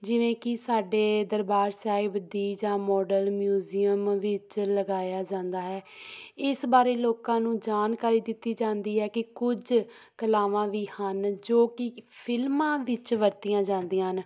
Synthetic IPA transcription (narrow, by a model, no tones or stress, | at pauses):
d͡ʒɪʋẽːkɪsaːɖeːd̪əɾbaːɾsaːibəd̪iːd͡ʒãːmɔːɖəlmjuːziːəmʋɪt͡ʃləɡaːjaːd͡ʒãːnd̪aːɦɛːɪsbaːɾeːloːkãːnũːd͡ʒaːnkaːɾiːd̪ɪt̪ːiːd͡ʒãːnd̪iːɦɛːkɪkʊd͡ʒ | kəlaːʋãːʋiːhənd͡ʒoːkɪpʰɪlmãːʋɪt͡ʃʋəɾt̪ɪjãːd͡ʒãːnd̪iãːn